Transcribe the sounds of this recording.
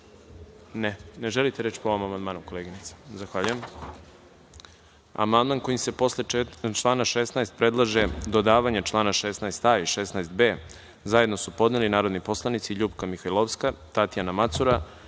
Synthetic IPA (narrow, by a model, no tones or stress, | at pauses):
nene̞ʒelit̪eɾeːt͡ɕpoʋomamand̪maːnuko̞lˠeːɡinit̪sḁzaxʋaʎujem | a̰mand̪manko̞jimse̞po̞slet͡ʃlˠaːnaʃesnajst̪̚pɾe̞d̪lˠaʒed̪o̞d̪aːʋaɲet͡ʃlˠaːnaʃesnajst̪aiʃesnajst̪beː | zaje̞d̪no̞supo̞d̪nelinaːɾod̪nipo̞slˠanit̪siʎuːpkamixajlˠoʋskat̪at̪ijanamat̪suɾa